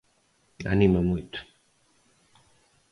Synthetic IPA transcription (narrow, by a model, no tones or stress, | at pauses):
a̰nimɐmujt̪ʊ̥